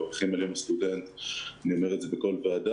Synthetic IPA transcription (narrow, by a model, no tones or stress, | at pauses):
oʁχimaljomast̪ude̞nt̪aniomeʁetzebeko̞lvead̪a